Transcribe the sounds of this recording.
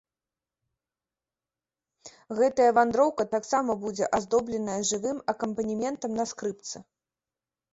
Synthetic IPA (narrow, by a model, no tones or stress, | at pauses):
ɣɛt̪ɐjɐvand̪ɾɔwkɐt̪aksamɐbud͡zʲɛʔazd̪ɔblʲɛnɐjɐʐɨvɨmɐkɐmpɐnʲimʲɛnt̪ɐmnɐskɾɨp̚t̪sɨ